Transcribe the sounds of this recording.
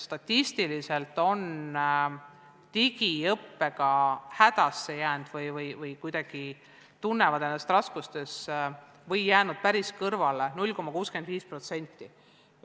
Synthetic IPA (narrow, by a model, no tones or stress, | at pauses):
st̪ɑt̪ʲːist̪ilise̞lt̪o̞n | t̪iɡ̥iɤpːe̞ɡ̥ɑhæd̪̥ɑsːe̞jæːnd̪̥vɤjvɤjvɤjkujd̪ɑɡ̥i | t̪unːe̞vɑd̪enest̪rɑskust̪e̞s | vɤjjæːnud̪̥̚pæɾiskɤrvɑle̞nulʲːko̞mːɑkuːske̞nd̪viːspro̞t̪se̞nʲt̪ːˑi